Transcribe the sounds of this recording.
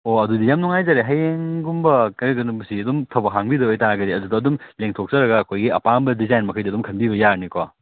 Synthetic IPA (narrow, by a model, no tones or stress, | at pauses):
oɐdudijamnuŋajzaɾeɦajeŋɡumbɐkɐɐɡɐnubɐsiɐdumtʰɐbɐɦaŋbidɐojtaɾɐɡɐdiɐdudɐːdumleŋtʰok̚zɐɾɐɡɐːkʰojɡiɐpambɐdizajnmɐkʰɐjdiɐdumkʰɐnbibɐjaɾnikwa